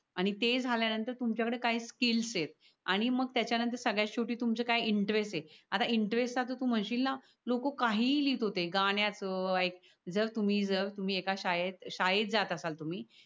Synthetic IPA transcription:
aɽ̃it̪ed͡zʱaljanənt̪əɾt̪umt͡ɕjakəɽekaɦiːskilsjet̪̚ | aɽ̃iməɡ̚t̪jat͡ɕjanənt̪əɾsəɡɭjaɕoʈiːt̪umt͡səkajiɳʈɾesʈjeat̪aiɳʈɾesʈd͡zat̪ot̪uːm̤əɳɕiːlna | lokokaɦiːliːt̪ɦot̪eɡaɳ̃jat͡səajk̚ | d͡zəɾt̪um̤iːd͡zəɾt̪um̤iːekaɕajet̪ɕajet̪̚d͡zat̪əsalt̪um̤iː

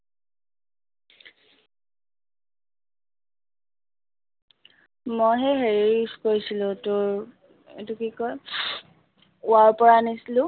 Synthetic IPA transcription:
mojɦɛɦeɹiskoɹisilʊ̃tʊɹ | ḛtukikɔj | ʊaɹpɔɹanisilʊ̃

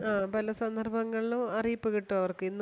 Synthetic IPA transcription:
aːpɐlɐsɐnd̪ɐrbʱɐŋːɐɭiluɐrijipːɨɣiʈːuɐʋɐrkɨinː

